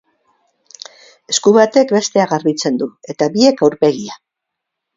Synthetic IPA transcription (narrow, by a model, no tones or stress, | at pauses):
e̞skuβat̪e̞kbe̞st̪e̞aɣaɾβit͡se̞nd̪ue̞t̪aβie̞kawɾpe̞ɣia